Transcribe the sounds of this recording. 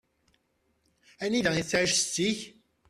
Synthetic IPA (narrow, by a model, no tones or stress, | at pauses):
ɛnid̪ãesaʒsi